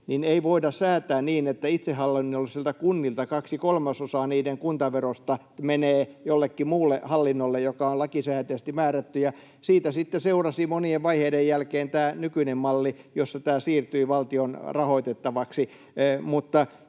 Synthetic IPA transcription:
nineiʋoidɑssæːt̪æːnniːnet̪ːæit̪sehɑlːinːolsielt̪ækunːilt̪ɑkɑksikolmɑsosɑːniːdeŋkunt̪ɑʋerost̪ɑ | meneːjolːekːimuːlːehɑlːinːolːejjokɑolɑkisæːt̪eːst̪imæːræt̪ːyjɑ | siːt̪æsit̪ːeseurɑsimonieʋʋɑiheidejjælkeːnt̪æːnykynemmɑlːijosːɑt̪æːsiːrt̪yiʋɑlt̪ionrɑhoit̪et̪ːɑʋɑksi | mut̪ːɑ

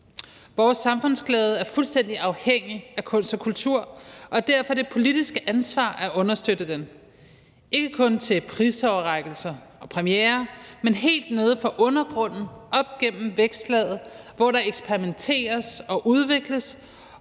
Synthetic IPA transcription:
ʋɒːsːɑ̈mfɔ̽n̰sɡ̥lɛːð̞ˠəæɐfulsd̥en̰d̥iɑ̈ʊheŋ̰iækʰɔ̽n̰sd̥ɒkʰult͡sʰuɐ̰ʔɒ̽d̥æɐ̰fɒ̽d̥e̝pʰo̝lid̥isɡ̥əʔænsʋɑ̰̈ːʔæʔɔ̽nɐsd̥ød̥əd̥en | e̝ɡ̥əkʰɔ̽nt͡sʰe̝pʰʁiːsɒʊɐʁɑ̈ɡ̥l̩sɐ | ɒ̽pʰʁɛmieːɐmenɦe̝̰ːld̥ne̝ð̞ˠfɒ̽ʔɔ̽nɐɡ̥ʁɔ̽n̰n̩ʔɒ̽b̥̚ɡ̥en̰m̩ʋeɡ̥sd̥lɛð̩ˠ | ʋɒɾɑ̈eɡ̥spʰeʁiment͡sʰe̝̰ːɐsɒ̽ʔuð̞ˠʋe̝ɡ̥ləs

